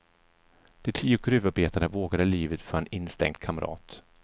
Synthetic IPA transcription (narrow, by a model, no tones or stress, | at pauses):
d̪̥ɛt̪ʰiːʊkʰɾʉ̟ːvaɾbeːt̪aɳəvoːɡaɾəliːvət̪fœɾɛnɪnst̪ɛ̰ŋd̪̥̚kʰaməɾʔɑ̰ːt̪